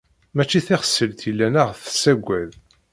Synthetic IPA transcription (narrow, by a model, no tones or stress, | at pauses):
mæt͡ʃːiθiχə̥sːəlt̪ilːænæʁθə̥sːæɡʷæð